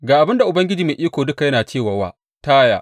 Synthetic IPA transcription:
ɡaː˨ʔa˨bɪ˦nda˨ʔʊ˨bɐ˦ŋɡʲɪ˦d͡ʒiː˨meː˨ʔiː˦kʷoː˨dʊ˦ka˨jɐ˦naː˨t͡ʃeː˦˨waː˨wa̰ː˦ | taː˦ja̰ː˨ʔ

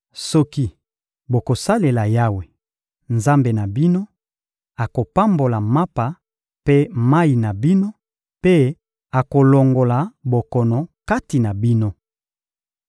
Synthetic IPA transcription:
sɔ˦ki˦ | bo˨ko˨sa˦le˨la˨ja˦we˨ | nza˦mbe˨na˨bi˦no˦ | a˨ko˨pa˦mbo˨la˨ma˦pa˨ | pe˦ma˦i˨na˨bi˦no˦ | pe˦ | a˨ko˨lo˨ŋɡo˨la˨bo˨kɔ˨nɔ˨ka˦ti˨na˨bi˦no˦

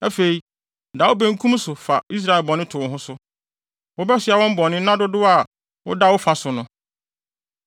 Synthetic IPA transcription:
æ˦fe˨i˨˦ | da˨wʊ˦bæ̃˦ŋ˦kʰũ˦m˦sʊ˨fa˨i˦s̬ɾa˦˨ɛ˨lbɔ˨nɪ̃˦tʰʊ˨ɦʊ̃˦sʊ˦ | wʊ˦bɛ˦sɪ˨˦a˨wɔ̃˦m˦bɔ˨nɪ̃˦nã˦dʊ˦dʊ˦a˨ | wʊ̰˦da˦wʊ˦fa˨sʊ˨nʊ̃˦

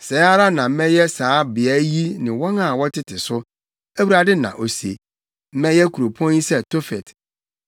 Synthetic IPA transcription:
sɛ˨˦a˦ɾa˦nã˨m̩˦mɛ̃˦jɛ˦saː˨˦bɪ˨æ˦ji˦nɪ̃˨wɔ̃˦na˨wɔ˦tʰɪ˦tʰɪ˨sʊ˦ | æ˦wu˦a˨dɪ˦nã̰˨ʔo˨si˨e˨ | m̩˦mɛ̃˦jɛ˦kʰu˨ɾo˨pʰɔ̃˦ni˦sɛ˦tʰo˦fɛ˨t

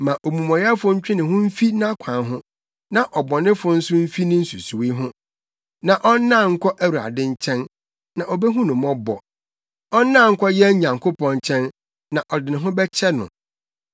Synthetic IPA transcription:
mã˨ʔo˨mũ˨mɔ̃˨ja˦fʊ˦ɲ̩˦t͡ɕᶣɪ̃˦nɪ̃˨ɦʊ̃˦m̩˦fi˦nã˦kʷʰã˨nɦʊ̃˦ | nã˨ʔɔ˨bɔ˨nɪ̃˦fʊ˦n̩˦sʊ˦m̩˦fi˦nɪ̃˦n̩˦su˨su˨wi˦ɦʊ̃˦ | nã˨ʔɔ˦nː˦ã˦˨ŋ̩˦kʰɔ˦ʔæ˦wu˨a̰˨dɪ̃˦ɲ̩˦t͡ɕʰɛ̃˦n | nã˨ʔɔ˨bɛ˦ɦʊ̃˦nʊ̃˨mɔ˦bɔ˨ | ɔ˦nː˦ã˦˨ŋ̩˦kʰɔ˦jɛ˦ɲã˨ŋkʰo˦pʰɔ̃˦nt͡ɕʰɛ̃˦nː | ã˨ʔɔ˨dɪ˨nɪ̃˨ɦʊ̃˦bɛ˦t͡ɕʰɛ˦nʊ̰̃˨

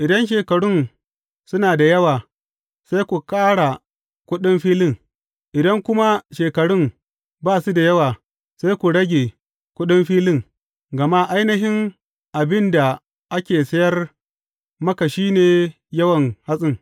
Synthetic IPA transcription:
ʔɪ˨dɐ˦nʃ̬eː˨kɐ˨ɽʊ˦n | sʊ˦naː˨da˨jɐ˦waː˨ | sa˦jkʷu˨kaː˦ɽa˨ | kʷʊ˦ɗɪ˦mɸiː˦lɪ˦ŋ | ʔɪ˨dɐ˦ŋkʷʊ˦ma˦ʃeː˨kɐ˨ɽʊ˦ŋ | baː˦˨su˦da˨jɐ˦waː˨ | sa˦jkʷu˨ɽɐ˦ɡʲeː˨ | kʷʊ˦ɗɪ˦mɸiː˦lɪ˦˨ŋ | ɡɐ˨ma˦ʔa˦jnɐ˦ɦɪ˦ŋ | ʔa˨bɪ˦nda˨ | ʔa˦kʲeː˨sɐ˦jɐ˦r | mɐ˦ka˨ʃiː˦neː˨ | jɐ˦wɐ˨ŋha˦sʼɪ˦ŋ

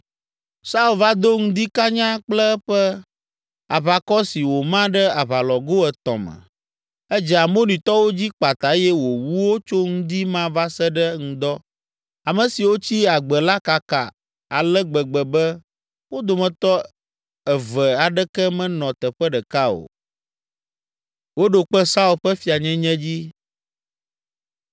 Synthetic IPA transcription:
sa˦u˨lva˦d̪o˦ŋũ˦d̪i˦ka˦ɲã˦k͡plɛ˦ɛ˦ɸɛ˦ | a̰˨βa˨kɔ˦si˨wo˨mã˦ɖɛ˦a˨βa˨lɔ˨ɡo˦ɛ˨t̪ɔ̰̃˨mɛ̰̃˨ | ɛ˦d͡ʒɛ˨a˨mo˦nĩ˨t̪ɔ˦wo˦d͡ʑi˦k͡pa˨t̪a˨˦jɛ˦wo˨wu˦wo˦t͡ʃo˦ŋũ˦d̪i˦mã˦va˦sɛ˦ɖə˦ŋ̩̃˦d̪ɔ˦ | a˨mɛ̃˨si˨wo˦t͡ɕi˦a˨ɡ͡bɛ˨la˦ka˨ka˨ | a˨lɛ˦ɡ͡bɛ˨ɡ͡bɛ˨bɛ˦ | wo˦d̪o˨mɛ̃˨t̪ɔ˦ | ɛ˨vɛ˨a˨ɖɛ˦kɛ˦mɛ̃˦nɔ̃˨t̪ɛ˨ɸɛ˦ɖɛ˨ka˦o̰˨ | wo˦ɖo˨k͡pɛ˦sa˦u˦˨lɸɛ˦fi˨a˨ɲɛ̃˦ɲɛ̃˦d͡ʑi˦

